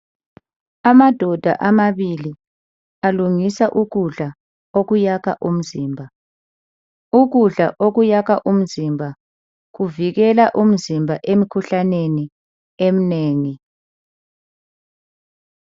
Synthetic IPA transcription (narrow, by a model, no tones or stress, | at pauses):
amad̥ʱɔd̥ʱa̰ʔamaβili | aluŋisaʔuɣuɮa | oɣujaka̰ʔum̩ziːmbʱa | uɣuɮaʔoɣujaɣaʔum̩zimbʱa | ɣuviɣɛlaʔum̩zimbʱaʔemikʰuɬaneni | em̩neːŋi